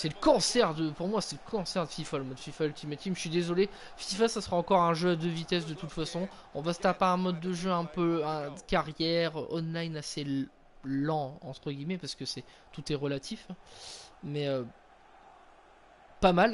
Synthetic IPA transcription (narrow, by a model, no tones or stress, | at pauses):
sɛləkɑ̃sɛʁd̪əpuʁmwasɛləkʰɑ̃sɛʁd̪əfifaləmɔd̪fifaylt̪ʰimet̪ikmsɥid̪ezɔle | fifasasəʁaɑ̃kɔʁɛ̃ʒøad̪øvit̪ɛs̬d̪ət̪ut̪fasɔ̃ | ɔ̃vasə̥t̪apeɛ̃mɔd̪ːəʒøɛ̃pøɛ̃d̪əkaʁjɛʁʔɔnlajnase | lɑ̃ɑ̰̃t̪χəɡʲimɛpaʁsə̥kəsɛ | t̪ut̪ɛʁəlat̪ʰif | mɛø | pamal